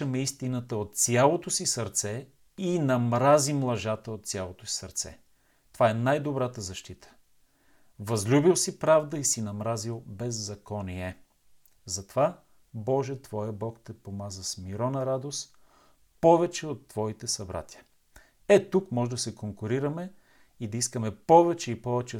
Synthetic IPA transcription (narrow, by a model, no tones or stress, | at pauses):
əmɛist̪inət̪əot̪sʲjalˠot̪osisɐɾt̪sɛ | inɐmɾazimlˠɐʒat̪əot̪sʲjalˠot̪osi̥sɐɾt̪sɛ̰ | t̪ovaɛnajd̪obɾat̪əzɐʃt̪it̪ə̥ | vɐzlʲubilˠsipɾavd̪əisinɐmɾazilˠbɛzːɐkɔniɛ | zɐt̪ova | bɔʒɛt̪vɔjəbɔkt̪ɛpomazɐsmiɾɔnɐɾad̪os | pɔvɛt͡ʃɛot̪ːvɔit̪ɛsɐbɾa̰t̪iə | ɛt̪ukmɔʒɛd̪ɐsɛkoŋkʊɾiɾɐmɛ | id̪ɐiskəmɛpɔvɛt͡ʃɛipɔvɛt͡ʃɛ